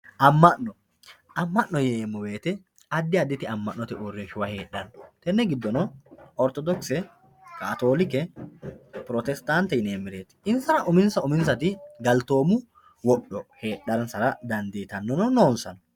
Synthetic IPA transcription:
ʔɐmːɐʔɔ | ʔɐmːɐʔːɔjeːmːɔwe̞ːt̪ɛ | ɐd̪ːɪɐd̪ːɪt̪ɪɐmːɐʔnːɔt̪ɛʔʊrːɪnʃʊwɐhe̞ːᶑɐnːɔ̥t̪ɛnːɛɡɪd̪ːɔnɔɔɾt̪ɔd̪ɔksɛ | kaːt̪oːlɪkɛ | pɾɔt̪ɛst̪aːnt̪ɛɪneːmːɪɾeːt̪ɪ̥ɪnsɐnɐʔʊmɪnsɐʊmɪns̬ɐt̪ɪɡɐlt̪o̞ːmʊ | wɔɗːɔhe̞ːᶑːɐɾnsɐɾɐd̪ɐnd̪eːt̪ɐnːɔnɔnoːnsɐnɔ̥

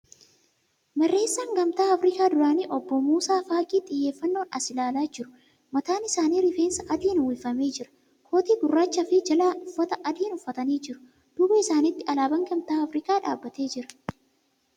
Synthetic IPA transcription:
mɛrːe̞ːsːaːŋɡɐmt̪aːɐfɾɪkaːd̪ʊɾaːniːʔɔbːɔmuːsaːfaːkʼiːt̪ʼɪjːe̞ːfːɐnːo̞ːnɐ̰sɪlaːlaːd͡ʒɪɾʊ | mɐt̪aːnɪsaːniːɾɪfe̞ːnsɐʔɐd̪iːnwɪfːɐme̞ːd͡ʒɪɾɐ̥ | kʰo̞ːt̪iːɡʊrːaːt͡ʃːɐfɪd͡ʒɐlaːʔʊfːɐt̪ɐʔɐd̪iːnʊfːɐt̪ɐniːd͡ʒɪɾʊ̥ | d̪̥ʊbɐɪsaːnɪt̪ːɪʔɐlaːbɐŋɡɐmt̪aːɐfɾɪkaːᶑaːbːɐt̪e̞ːd͡ʒɪɾɐ̥

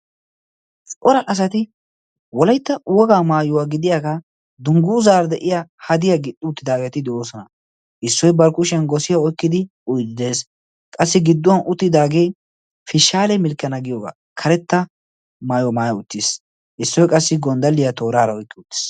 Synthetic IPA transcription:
t͡sʼɔɾɐʔɐs̬ɐt̪ɪ | wɔlɐjt̪ːɐwɔɡaːmaːjʊwaːɡɪd̪ɪjakɐ | d̪ʊŋɡʊːzaːɾd̪ɛʔɪjahɐd̪ɪjaɡɪt̪ʼːʊʊt̪ːɪd̪aːɡɛt̪ɪd̪ɛʔoːsɔnɐ | ʔɪsːɔjbɐɾkːʊʃɛnɡɔsɪjɐɔjkːɪd̪ɪʔʊjd̪ɪd̪e̞ːs | kʼɐsːɪɡɪd̪ːɔwɐnʔʊt̪ːɪd̪aːɡe | fɪʃaːlɛmɪlkːɐnɐɡɪjoːɡa̰ː | kʰɐɾɛt̪ːɐ | maːjɔmaːjɐʊt̪ːɪs | ʔɪsːɔjkʼɐsːɪɡɔnd̪ɐlːɪjat̪o̞ːɾaːɾɐɔjkːɪʊt̪ːɪ̥s

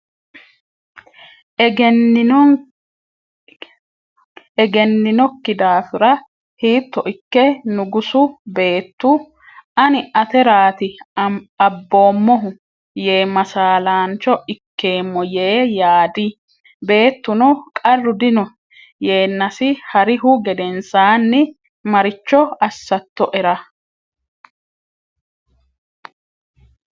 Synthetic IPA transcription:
ɛɡɛnːɪnɔkːɪd̪aːfʊɾɐ | hiːt̪ːɔʔɪkːɛnʊɡʊsʊbe̞ːt̪ːʊ | ɐnɪʔɐt̪ɛɾaːt̪ɪ | ɐbːo̞ːmːɔɦʊ | je̞ːmɐsaːlaːnt͡ʃːɔɪkːe̞ːmːɔje̞ːjaːd̪ɪ | be̞ːt̪ːʊnɔkʼɐrːʊd̪ɪnɔ | jeːnːɐsɪhɐɾɪɦʊɡɛd̪ɛnsaːnːɪ | mɐɾɪt͡ʃːɔɐsːɐt̪ːɔʔɛɾɐ

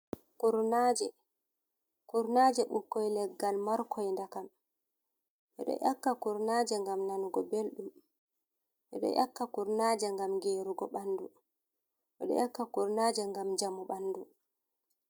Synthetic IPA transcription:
kuɾnaːd͡ʒɛ | kuɾnad͡ʒɛɓukːɔjlɛɡːalmɔɾkʰɔjndakam | ʔɛ̰ɗɔ̰ʔakːakuɾnad͡ʒɛŋɡamnanuɡɔbelɗum | ʔɛ̰ɗɔ̰jʔakːakuɾnad͡ʒɛŋɡamɡeːɾuɡɔɓanːdu | ɓɛ̰ɗɔ̰jakːakuɾnad͡ʒɛŋɡamɲd͡ʒamuɓanːdu

